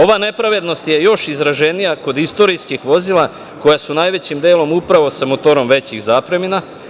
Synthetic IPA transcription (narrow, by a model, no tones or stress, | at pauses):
o̞ʋane̞pɾaʋe̞d̪no̞st̪je̞jo̞ʃizɾaʒe̞nijako̞d̪ist̪o̞ɾijskixʋo̞zilˠa | ko̞jasunaːjʋe̞t͡ɕimd̪eːlˠo̞mupɾaʋo̞samot̪o̞ɾo̞mʋe̞t͡ɕiɣzaːpɾe̞mina